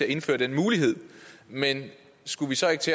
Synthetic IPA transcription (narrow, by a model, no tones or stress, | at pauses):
e̝æɐe̝nfø̰ːɐdenmuːliɦe̝ð̞̰ˠmen | sɡ̥uʋisɒ̽eɡ̥t͡sʰe̝